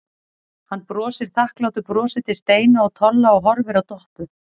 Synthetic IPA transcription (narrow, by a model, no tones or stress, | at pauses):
hanːpɾɔːsɪɾ̥θahklaːwt̪ʏpɾɔːsɪt̪ɪ̥st̪eːjnaɔɣt̪ʰɔlːaɔɣɦɔɾvɪɾawt̪ɔhpʏ